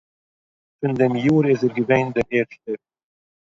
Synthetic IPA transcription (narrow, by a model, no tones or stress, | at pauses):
fɪndɛmjuːɾɪzɛɾɡəveɪndɛɾeːɾʃtə